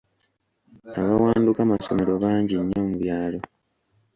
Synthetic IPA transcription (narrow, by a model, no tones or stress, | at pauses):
aβawaːndukamaso̞me̞ɾo̞βaːɲɟiɲːomuβjaːlo̞